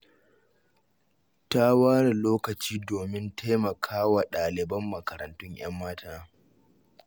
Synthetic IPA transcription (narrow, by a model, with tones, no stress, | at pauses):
ta˦waː˦ɽa˨loː˦kɐ˨t͡ʃiː˦doː˨mɪ˦ntʰeː˦mɐ˨kʰaː˦wa˨ɗaː˨lɪ˨bɐ˦mːɐ˨kɐ˨ɾɐ˨ntʊ˦ɲj̰ɐ˦mːaː˦taː˦